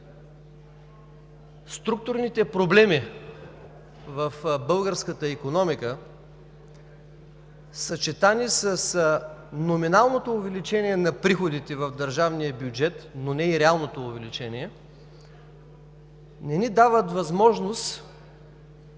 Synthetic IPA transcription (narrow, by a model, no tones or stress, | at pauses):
st̪ɾuk̚t̪ʊɾnit̪ɛpɾoblɛmi | vɐfbɤlˠɡəɾskət̪əikonɔmikə | sɐt͡ʃɛt̪anisəsnominalˠnot̪oːvɛlit͡ʃɛniɛnɐpɾixod̪it̪ɛvɐvd̪ɐɾʒavnijəbʲjʊd͡ʒɛt̪nonɛiɾɛalˠnot̪oːvɛlit͡ʃɛniɛ | nɛnid̪avət̪vɐzmɔʒnost̪